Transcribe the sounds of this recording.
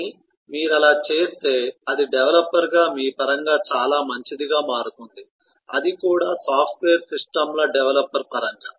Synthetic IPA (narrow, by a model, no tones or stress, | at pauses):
i | miːɾɐlaːt͡ʃeːst̪e̞ːɐd̪iɖɛʋɐlɐpːɐɾɡaːmiːpɐɾɐŋɡaːt͡ʃaːlaːmɐɲt͡ʃid̪iɡaːmaːɽut̪und̪i | ɐ̰d̪ikuːɽaːsaːpʰʈʋeːɐɾsisʈɐmlɐɖɛʋlɐpːɐɾpɐɾɐŋɡa